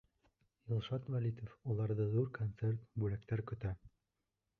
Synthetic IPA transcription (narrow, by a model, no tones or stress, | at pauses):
jɪlˠʃɑt̪vælʲit̪ofulˠɑɾðɤðuɾkont̪sert̪bʉlækt̪æɾkɵ̆t̪æ